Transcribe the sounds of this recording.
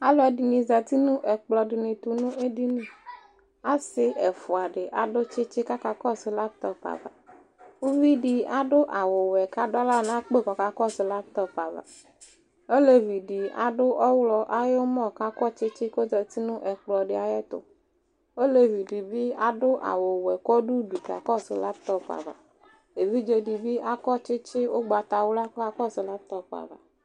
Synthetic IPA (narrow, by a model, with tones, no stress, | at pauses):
a˦lɔ˨˦ɛ˨di˨nĩ˨za˨t̪i˦nũ˦ʔɛ˨k͡plɔ˨ɖi˨nĩ˨t̪u˨nũ˦e˦ɖi˦nĩ˦ | a˦sɪ˦ʔɛ˨fʊ˨a˨ɖɪ˨ʔa˨ɖʊ˦t͡ʃɪ˦t͡ʃɪ˦ka˦ka˦kɔ˦sɪ˨la˦p̚t̪ɔ˦pa̰˨va̰˨ | wu˦vi˦ɖi˨a˨ɖʊ˦ʔa˨wo˨wɛ˨ka˦ɖɔ˦la˦nã˦k͡pe˦˨kɔ˨ka˨kɔ˦sɪ˨˦la˦p̚t̪ɔ˦pa˨va̰˨ | o˦le˦vi˨ɖi˨a̰˨ɖʊ˦ʔɔ˦wlɔ˦ʔa˦jo˦mɔ̃˦˨ka˦kɔ˦t͡ʃɪ˦t͡ʃɪ˦ko˦d̪ɔ˨t̪i˦nũ˦ʔɛ˨k͡plɔ˨ɖɪ˨˦a˨jɛ˦t̪ʊ̰˨ | o˦le˦vi˨ɖi˨bi˦a˦ɖʊ˦ʔa̰˨wo˨wɛ˨kɔ˦ɖu˦bi˨ka̰˨kɔ˦sɪ˧la˦pt̪ɔ˦pa̰˨va̰˨ | e˨vi˦d͡ʒe˨ɖi˨bi˦ʔa˦kɔ˦t͡ʃɪ˦t͡ʃɪ˦wo˦ɡ͡ba˨t̪a˨wo˦la˦kɔ˦ka˦kɔ˦sɪ˨la˦p̚t̪ɔ˦k͡pa̰˨va̰˨